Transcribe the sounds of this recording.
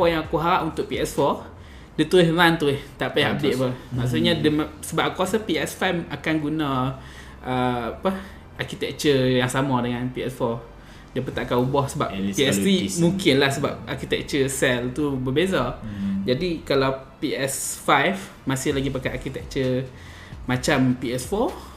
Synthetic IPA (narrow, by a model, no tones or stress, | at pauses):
ɔjaŋakuɦaɾaʔunt̪ʊʔ̚piɛsfɔ | dət̪uɪɦlant̪uɪht̪aʔpajab̚deʔ̪̚pəmaʔs̬uʔɲadəmsəbap̚kwasapiɛsfajfakanɡunã | ʔəapə | ʔarkit̪ɛk̚t͡ʃəjaŋsamãdəŋãnpiɛ̰sfɔ | dəpət̪aʔkaubɔhsəbappiɛst̪ɾimuŋkɪnlahsəbap̚arkit̪ɛk̚t͡ʃəsɛlt̪ubəbezad͡ʒadikalaw | piʔɛsfajf | masɪhlaɡipakajakit̪ɛk̚t͡ʃə | mat͡ʃampiɛsfɔ